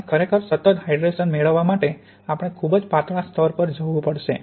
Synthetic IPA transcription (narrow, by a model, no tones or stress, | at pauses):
kʰəɾekʰəɾsət̪ət̪ɦajɖɾeʃənmeɭəʋːamaʈe | apəɽ̃ekʰubd͡ʒpat̪ɾãst̪ʰɔɾpəɾd͡ʒəʋũpəɽʃe